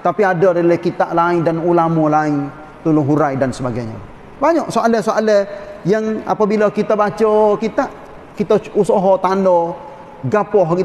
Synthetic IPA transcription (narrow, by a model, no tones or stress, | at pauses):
t̪apiadəɾəlɛhkit̪aʔlaɪŋdanulamɔlaɪŋ | t̪ulʊɦuɾajdansəbaɡajɲa̰ | baɲɔʔsoalɛhsoalɛjaŋa̰pabilakit̪abat͡ʃəkit̪aʔ | kit̪ausɔɦɔt̪andɔ | ɡapɔɦki